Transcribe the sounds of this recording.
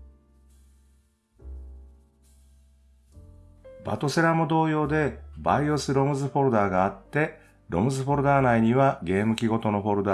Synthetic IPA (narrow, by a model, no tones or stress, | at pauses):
ba̰t̪o̞seɾamod̪o̞ːjo̞ːd̪e̞baiosɨɾo̞mɯ̟zɨɸo̞ɾɯ̟d̪aːɡaːt̪ːe̞ | ɾo̞̰mɯ̟zɨɸo̞ɾɯ̟d̪aːnaiɲ̟iβaɡe̞ːmɯ̟kʲiɡo̞t̪o̞no̞ɸo̞ɾɯ̟d̪a